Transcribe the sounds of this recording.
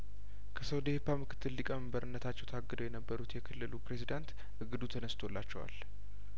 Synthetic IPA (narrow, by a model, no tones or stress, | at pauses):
kʰəsəwd̪ehpamɨkʰɨ̥t̪ʰːɨlːikʼəməmbəɾʔɨnːət̪ʰat͡ʃːɛwt̪ʰaɡːɨd̪əwjɛnəbːəɾut̪jɛkʰɨlːɨlupɾe̞zid̪ant̪ | ɨɡɨd̪ut̪ʰənəst̪ʰo̞lːa̰t͡ʃːɛwa̰l